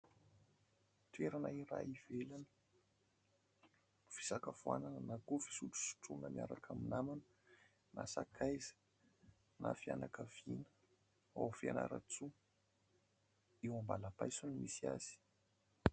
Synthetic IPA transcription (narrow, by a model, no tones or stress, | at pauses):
t̪eɾanaiɾa̰iv̥elanə̥ | fi̥sakavua̰nanənakufi̥suʈ͡ʂu̥si̥ʈ͡ʂunəmia̰ɾakʰaminamanə | na̰sakʰajzə̥ | na̰fia̰nakəv̥inə̥ | a̰wfia̰na̰ɾa̰t͡su | ewambalabajsunimisia̰z̥i̥